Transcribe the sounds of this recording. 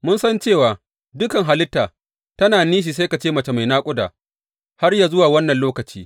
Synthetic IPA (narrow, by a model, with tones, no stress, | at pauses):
mʊ˦nsɐ˦nt͡ʃeː˦˨waː˨ | dʊ˦kɐ˨ŋɦa˨lɪ˦tːaː˨ | tɐ˦naː˨niː˦ʃ̬i˨s̬a˦jka˨t͡ʃeː˦mɐ˨t͡ʃe˨ma˨jnaː˦kʷʼʊ˦da̰ː˨ | ha˦rjaː˨zʊ˦waː˨wɐ˦nːɐ˨nloː˦kɐ˨t͡ʃiː˦